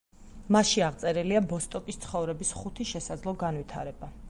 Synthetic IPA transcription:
maʃiaʁt̪sʼɛɾɛliabɔst̪ʼɔkʼist̪sʰχɔvɾɛbisχut̪ʰiʃɛsad̪zlˠɔɡanvit̪ʰa̰ɾɛba

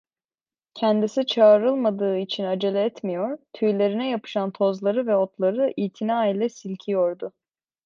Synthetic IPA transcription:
cʰænd̪isit͡ʃʰaːɾɯlˠmad̪ɯːit͡ʃʰinad͡ʒelʲɛɛt̪mijo̞ɾ̥t̪ʰyjlʲe̞ɾinɛjapɯ̥ʃant̪ʰo̞zlˠaɾɯvɛot̪lˠaɾɯʔiːt̪ʰinaːilʲɛsilʲcʰijo̞ɾd̪ʊ

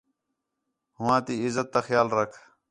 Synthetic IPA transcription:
hʊwãːt̪iɪzət̪ːaxjaːlɾɐkʰ

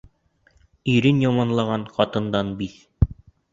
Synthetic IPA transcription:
iɾɘnjɑmɑnlˠɑʁɑnqɑt̪ɤ̆nd̪ɑnbiθ

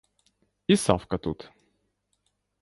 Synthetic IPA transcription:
isa̰fkət̪ut̪

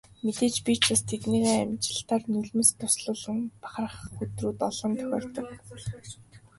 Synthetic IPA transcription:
met̪eːt͡ɕpʲit͡ɕast̪ʰet̪niːɣeːæmt͡ɕɪ̆ɬt̪aːrnɵɮmɘ̆st̪ʰʊsɮʊːɮə̆ŋpḁχər̆χxut̪ruːt̪ɔɮɞ̆nt̪ʰœ̥xʲɔ̰ːr̥t̪ɞ̆k

